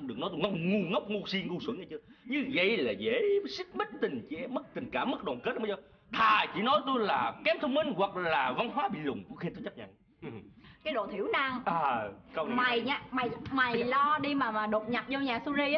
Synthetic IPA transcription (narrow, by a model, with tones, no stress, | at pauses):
ɗɨ˨˩əknɔ˨˦t̪u˧ŋɔ˧wŋ͡mŋu˨˧˩ŋə˦˥wk͡p̚ŋu˧si˧ŋu˧˩swə˧˦ɲʔjt͡ɕɨ˧ɲɨ˧və̰˧˨jlaː˨˩ze˧˩˦si˦˥k̚m˦˥t̚t̪ï˨˩ŋ̟t͡ɕɛ˧˨˩mə˦˥k̚t̪ï˨˩ŋ̟kaː˧˩mːə˦˥t̚ɗɔː˨˩nke˦˥t̚ʔ | t̪ʰaː˨˩t͡ɕḭ˧˩nɔ˨˦jt̪u˧jlaː˨˩kɛ˨˦mt̪ʰə˧wŋ͡mmï˧ŋ̟wa˨˩k̚laː˨˩va˧nɦwaː˨˦ɓḭ˧˨lʊ̰˨˩ŋ͡mku˧˥xi˧˩t̪u˧t͡ɕa˦˥p̚ɲa̰˧˨n˩ | kaː˨˦jɗo̰˧˨t̪ʰi˧˩˦əwna˧ŋʔaː˨˩kə˧wma˨˩jɲa˨˧ma˨˩jma˨˩jlɔ˧ɗi˧maː˨˩maː˨˩ɗo˨˩p̚ɲa˨˩t̚zo˧ɲaː˨˩su˧zi˧˦